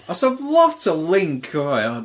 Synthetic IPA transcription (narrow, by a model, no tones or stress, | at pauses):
aɪsvlʌv̥tʰəlɪ̃ŋkʰəaɪa